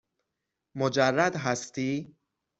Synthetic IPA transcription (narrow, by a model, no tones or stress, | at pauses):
mod͡ʒarːad̪ɦast̪i